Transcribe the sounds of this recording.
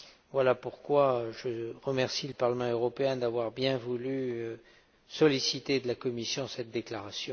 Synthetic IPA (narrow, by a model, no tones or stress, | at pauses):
vwalapuʁkwaʒəʁəmɛʁsiləpaʁləmɑ̃øʁɔpeɛ̃d̪avwaʁbjɛ̃vulyø | sɔlisit̪ed̪əlakɔmisjɔ̃sɛt̪̚d̪eklaʁasjɔ̃